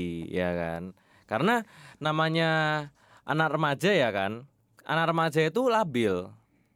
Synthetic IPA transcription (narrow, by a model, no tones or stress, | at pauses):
ja̰ka̰n | kaɾənanamaɲa | ʔanak̚rəmad͡ʒajakan | ʔa̰nak̚rəmad͡ʒait̪ulabɪl